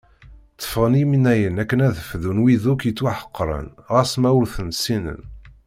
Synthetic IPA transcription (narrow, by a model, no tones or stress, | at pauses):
t͡sːə̥fəʁəniminæjənækːənæðəfðunwiðukjət͡sːwaħə̥qːɾˤə̰nʁæsmæwʊɾθənsinə̰n